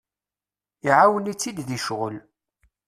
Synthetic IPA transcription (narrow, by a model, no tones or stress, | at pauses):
iʕawənit͡sːid̪ðiʃʁəl